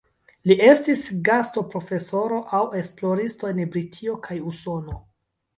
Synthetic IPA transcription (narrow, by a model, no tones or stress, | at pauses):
liʔe̞stisɡasto̞pɾo̞fe̞so̞ɾo̞ʔawe̞splo̞ɾistoenbɾitʰio̞kʰajuso̞no̞